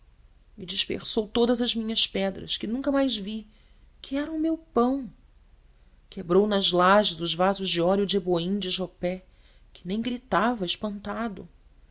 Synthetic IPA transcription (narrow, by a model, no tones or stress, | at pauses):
mɪd͡ʒiʃpḛχsowt̪od̪ɐzɐzmĩɲɐspɛd̪ɾɐ̰skɪnũŋkɐmajzvi | kʰɪɛɾɐʊmewpɐ̃w̃ | kʰebɾownɐzlaʒɪzʊzvazʊzd͡ʒɪɔɾjʊd͡ʒɪeboĩd͡ʒɪʒopɛ | kʰɪnẽj̃ɡɾit̪avɐɪʃpɐ̃nt̪ad̪ʊ̰